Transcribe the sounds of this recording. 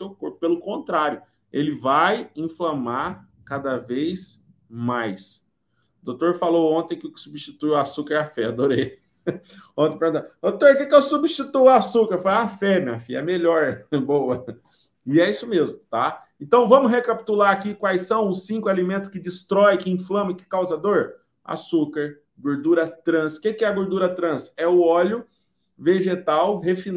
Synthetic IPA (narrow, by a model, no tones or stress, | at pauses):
sewkoɾpʊ̥pelʊkõnt̪ɾaɾjʊ | elɪvajĩflɐ̃maɾ | kad̪ɐvejs | majs | ʊd̪owt̪oɾfalowõnt̪ẽj̃kɪʊkɪ̥subiʃt͡ʃit̪ujʊasukɐɾɛafɛad̪oɾej | õt̪ẽpeɾɡũt̪ad̪ot̪oɾkekɪewsubiʃt͡ʃit̪ujʊasukɐɾfajafɛmĩɲɐfiɐ̰ɛmeʎɔɾbowɐ | ɪɛisʊmezmʊt̪a | ẽnt̪ɐ̃w̃vɐ̃mʊhekapi̥t̪ulaɾakikwajsɐ̃w̃ʊsːĩkʊalimẽnt̪ʊ̥skɪd͡ʒist̪ɾɔjkɪĩflɐ̃mɐɪkɪ̥kawzɐd̪oɾ | a̰sukɐɾ | ɡoɾd̪uɾɐt̪ɾɐ̃skekɪɛɐɡoɾd̪uɾɐt̪ɾɐ̃sɛʊɔʎʊ | veʒet̪awhefi